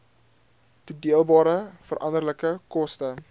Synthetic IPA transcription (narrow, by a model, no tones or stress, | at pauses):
tudiəlˠbɑːɾəfəɾʔɐndərləkəkɔstə